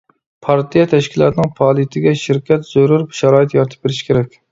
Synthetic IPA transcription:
pʰɑɾt̪ʰijɛt̪ʰɛʃkʲilˠɑ̰t̪ʰɨnɨŋpʰɑlˠit̪ʰɪɡʲɛʃɪɾkʲɛt̪z̥oɾuɾbʃɑɾɑːjit̪jɑɾt̪ʰɨ̥p̚beɾɪʃkʲʰeɾɛkʲ

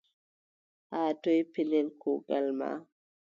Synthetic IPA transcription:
hatɔjpilɛlkɔɡalma̰

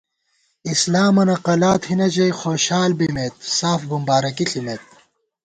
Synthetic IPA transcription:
islaːmɐnɐqɐlaːt̪hinɐd͡ʑɐjxoːɕaːlbimet̪̚saːfbumbaːɾɐkiɬʰimet̪̚

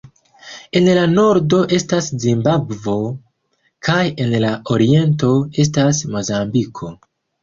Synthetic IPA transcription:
e̞nlano̞ɾdo̞ʔe̞staszimbabvo̞ | kʰaje̞nlao̞ɾie̞nto̞e̞s̬tasmo̞zambikʰo̞

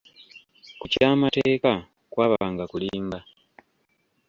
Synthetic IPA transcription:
kucaːmateːka | kwaːβaaːŋɡakuliːmba

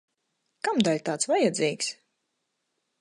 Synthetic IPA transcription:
kamd̪alʲt̪aːt̪svajɛd̪ziːks

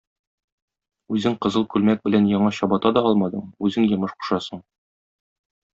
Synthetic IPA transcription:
ʉzɘŋqɤ̆zɤlˠkʉlmæk̚bɘ̆lænjɒɴɑɕɒbɑt̪ɑd̪ɒɒlˠmɑd̪ɤɴʉzɘŋjɤ̆mɤʃqu̥ʃɑsɤɴ

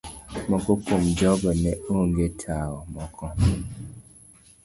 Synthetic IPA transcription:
məkokomd͡ʒɔbənɛoŋɡetʰawɔmɔkʰɔ̃

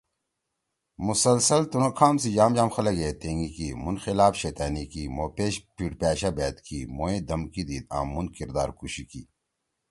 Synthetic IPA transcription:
musɐlsɐlt̪unokʰaːmsid͡ʑaːmd͡ʑaːmxɐlɐɡeːt̪eːŋɡikimunxilaːfɕeːt̪aːnikimoːpeːɕpiʈpaːɕabeːt̪kimoːẽːd̪ɐmkid̪iːd̪a̰ːmːunkiɾd̪a̰ːɾkuɕikiː

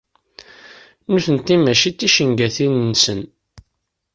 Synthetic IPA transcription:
nuθənt̪ːimæʃit͡s̪ːiʃəŋɡæθinnsən

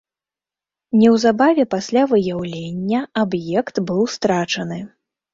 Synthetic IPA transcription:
nʲɛwzabavʲɛpasʲlʲavɨjawlʲenʲːɐabjɛkt̪bɨwst̪ɾat͡ʂɐnɨ

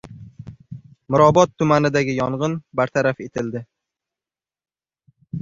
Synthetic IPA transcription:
mʊɾɒbɒt̪ʰːʊmanɪd̪aɡʲɪjɒɴʁɨnbaɾt̪ʰaɾafe̞t̪ʰɪld̪ɪ

